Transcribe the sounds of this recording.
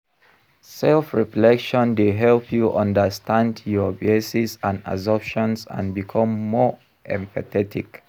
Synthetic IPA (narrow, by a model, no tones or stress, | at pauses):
sɛlfɹiflɛkʃɔ̃ndeɦɛlpʰjuʔʌ̃ndəstʰãndjɔbesisãna̰zɔpʃɔ̃nsã̰nbikʰɔ̃mːɔɹ | ʔɛ̃mpʰaθɛtʰḭk